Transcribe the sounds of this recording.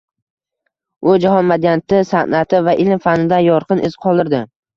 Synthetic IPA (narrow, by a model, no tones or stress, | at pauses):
ʊd͡ʒaɦɒnmad̪jant̪ɪsanat̪ʰɪvaʔɪlmfanɪd̪anjɒɾqɨnʔɪzqʰɒlˠd̪ɪɾd̪ɪ